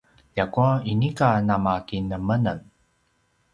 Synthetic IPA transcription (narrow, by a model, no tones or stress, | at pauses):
jakuainikanamakinəmənən